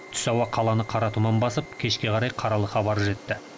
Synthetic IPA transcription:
t̪ʰʏ̥sɑwɑqʰɑlˠɑnəqʰɑɾɑt̪umɑnbɑsəp̚kʲʰe̞ʃkʲe̞qɑɾɑjqʰɑɾɑlˠəχɑbɑɾəʒe̞t̪ːɪ

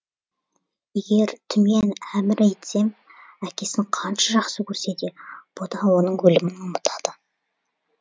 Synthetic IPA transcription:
je̞ɡʲe̞ɾt̪ʰʏme̞næmɪɾæjt̪se̞mækʲe̞sɪɴqʰɑnʃɑʒɑqsəkʲʰɵɾse̞d̪e̞b̥od̪ɑwo̞nəɴwɵlɪmɪnʊmət̪ʰɑd̪̥ə

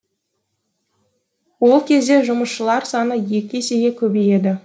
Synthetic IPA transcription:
wo̞lˠkʲʰe̞zd̪e̞ʒʊməsʃəlˠɑɾsɑnəje̞kʲe̞se̞ɡʲekʲʰɵbeje̞d̪ɪ

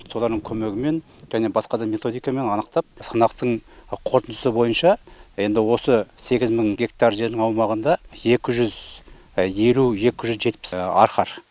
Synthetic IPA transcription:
so̞lˠɑɾd̪əɴŋkʲʰɵme̞ɡʲɪme̞nʒæne̞bɑsqɑd̪ɑme̞t̪o̞d̪ijkɑme̞nɑnəqt̪ɑp̚sɑnɑqt̪əɴqʰo̞ɾt̪ənd̪əsəbo̞jənʃɑje̞nd̪ɪwo̞səse̞ɡʲɪzməɴɡʲe̞kt̪ɑɾrʒe̞ɾd̪ɪŋɑwmɑʁənd̪ɑje̞kʲɪʒʏz | je̞luje̞kʲɪʒʏzʒe̞t̪pɪ̥sɑ̰ɾχɑɾ

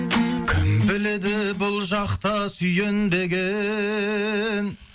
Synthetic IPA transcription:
kʲʰɪ̰mbɪle̞d̪ɪbʊlˠʒɑqt̪ɑsʏjend̪e̞ɡʲe | n

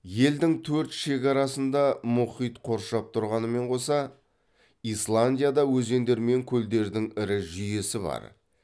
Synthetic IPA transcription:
je̞ld̪ɪŋt̪ʰɵɾt̪ʃe̞kʲɑɾɑsənd̪ɑmʊχijt̪qʰo̞ɾʃɑp̚t̪ʰʊɾʁɑnəme̞ɴqʰo̞sɑ | islˠanʲdʲijad̪ɑwɵze̞nd̪e̞ɾme̞ŋkʲʰɵld̪e̞ɾd̪ɪŋɪɾɪʒʏje̞sɪbɑ̰ɾ

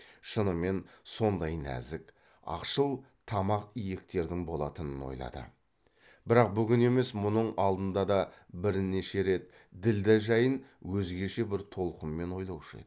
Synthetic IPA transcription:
ʃənəme̞nso̞nd̪ɑjnæ̰zɪk | ɑ̰qʃəlˠ | t̪ʰɑmɑqijekt̪e̞ɾd̪ɪŋbo̞lˠɑt̪ənəno̞̰jlˠɑ̰d̪ə̰ | bɪɾɑq̚bʏɡʲɪne̞me̞smʊnəɴɑlˠd̪ənd̪ɑd̪ɑbɪɾne̞ʃe̞ɾe̞t̪ | d̪ɪld̪ɪʒɑjənwɵzɡʲeʃe̞bɪɾt̪ʰo̞lˠqəmːe̞no̞jlˠɑwʃḛd̪ɪ

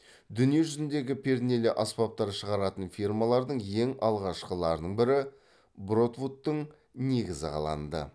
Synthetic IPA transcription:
d̪ʏnije̞ʒʏzɪnd̪e̞ɡʲɪpʲʰe̞ɾne̞leʔɑspɑp̚t̪ɑɾʃəʁɑɾɑt̪ənfirmɑlˠɑɾd̪əɴje̞ŋɑlˠʁɑʃqəlˠɑɾd̪əɴbɪɾɪ | bɾo̞t̪vut̪ːəɴ | ne̞ɡʲɪzɪqʰɑ̰lˠɑ̰nd̪ə̰

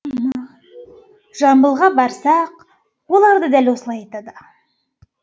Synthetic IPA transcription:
m | ʒɑmbəlˠʁɑbɑɾsɑq | wo̞lˠɑɾd̪əd̪ælwo̞səlˠɑjɑt̪ɑd̪ə

